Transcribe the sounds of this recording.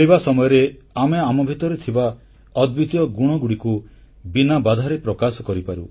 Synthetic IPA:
ibasɔmɔjɔɾeameamɔbʱit̪ɔɾet̪ʰiba | ɔd̪bit̪ijɔɡuɽ̃ɔɡuɽiku | binabad̪ʱaɾepɾɔkasɔkɔɾipaɾṵ

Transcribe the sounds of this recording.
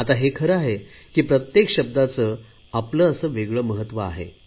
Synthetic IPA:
at̪aɦekʰəɾəaɦe | kiːpɾət̪jekɕəb̚d̪at͡səː | apləːəsəːʋeɡɭəməɦət̪ːʋəa̰ɦḛ

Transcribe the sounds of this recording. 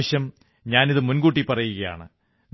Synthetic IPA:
ɕjɐm | ɲaːniðɨmunɡuːʈ̬ːipːɐrɐjuɣɐja̰ːɳɨ̰ | n

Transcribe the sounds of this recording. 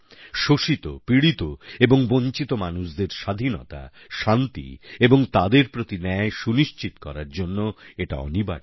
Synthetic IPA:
ʃoʃit̪opɾiɽit̪oeboŋboɲt͡ɕit̪omanuʃd̪eɾʃad̪ʱinɔ̰t̪a̰ | ʃant̪ḭeboŋt̪ad̪eɾpɾot̪inɛeʃuniʃt͡ɕit̪o̥kɔ̰ɾaɾd͡ʑonːoeʈa̰ɔ̰niba̰ɽ

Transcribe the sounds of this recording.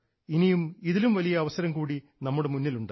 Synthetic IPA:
inijumiðilumʋɐlijɐːʋɐsɐɾɐmkuːɽi | nɐmːuɽe̞munːiluɳɖ

